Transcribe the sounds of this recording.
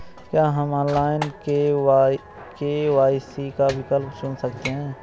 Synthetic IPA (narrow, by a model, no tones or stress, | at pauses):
kjaːɦəmɔ̃ːnlaːɪnke | keʋaːɪsikawɪkəlpsʊnsɐkt̪eɦɛ̃ː